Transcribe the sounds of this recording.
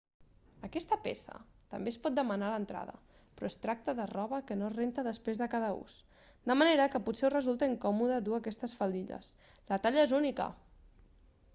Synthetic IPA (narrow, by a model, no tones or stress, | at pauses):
əkɛst̪əpḛsə̰t̪ə̰mbespɔt̪̚d̪əmənalənt̪ɾa̰ðə̰ | pɾɔest̪ɾak̚t̪əðərɔβəkənorent̪əðəspɾezðəkað̞əṵs | d̪əməneɾəkəputseurəzulˠt̪əiŋkɔmuðəðuakɛst̪əsfəlˠd̪iʎə̰s | lət̪aʎəezunikə̰